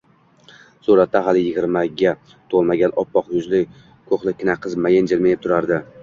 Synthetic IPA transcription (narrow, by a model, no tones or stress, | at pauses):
suɾat̪ːaɦalˠɪjɪɡʲɪɾmaɡʲa | t̪ʰolˠmaɡʲanɒpːɒqjʊzlɪ | kʰoqlˠɪkʲʰːɪnaqʰɨzmajend͡ʒɪlmajɪp̚t̪ʰʊɾaɾd̪ɪ